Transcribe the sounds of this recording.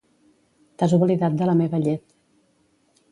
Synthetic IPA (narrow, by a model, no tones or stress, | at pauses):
t̪azuβəliðat̪̚d̪ələmeβəʎet̪